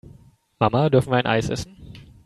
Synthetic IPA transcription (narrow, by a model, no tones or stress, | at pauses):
mamadʏɐfn̩viːɐaɪnʔa̰ɪsʔɛ̰sn̩